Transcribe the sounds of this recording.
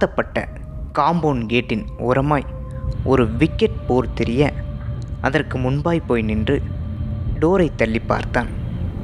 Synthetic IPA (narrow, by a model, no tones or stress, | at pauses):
t̪ɐpːɐʈːɐ̰ | kaːmboːnɡeːʈːɪnɔ̰ɾɐmaːj | ʔɔɾɯʋɪkːɛʈ̚poːɾt̪ɪɾɪjɐ | ʔɐðɐrkɯmʊnbaːjpːoːjnɪndrɯ | ɖoːɾɐɪt̪ːɐɭːɪpːa̰ːɾt̪aːn